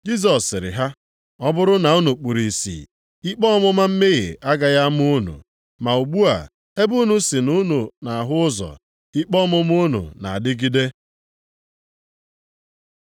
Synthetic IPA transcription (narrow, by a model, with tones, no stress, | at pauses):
d͡ʒi˦s̬ɔ˨sɪ˨ɾɪ̰˨ɦa˦ | ɔ˦bʊ˦ɾʊ˦na˨u˦nu˨k͡pu˨ɾi˨sḭ˨ | i˦k͡pɔ˦mʊ˦ma˦m̩˦me˦ɣɪ̰˨ʔa˦ɡa˨ja˦m˦u˦nṵ˨ | ma˨u˨ɡ͡bu˦a̰˨ | e˦bu˦nu˦si˨nu˦nu˨na˨a˨ɦʊ˦ʊ˦zɔ̰˨ | i˦k͡pɔ˦mʊ˦m˦u˦nṵ˨na̰˨a˨dɪ˦ɡi˦de˦